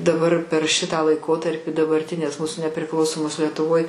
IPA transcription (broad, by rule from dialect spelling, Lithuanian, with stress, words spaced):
dɐˈbɐr pʲɛr ʃʲɪtɑː lˠɐɪˈkoːtɐrʲpʲɪ dɐbɐrʲˈtʲɪnʲeːs ˈmuːsʊ nʲɛpʲrʲɪˈklˠɐʊsoːmoːs lʲiɛtʊˈʋoːj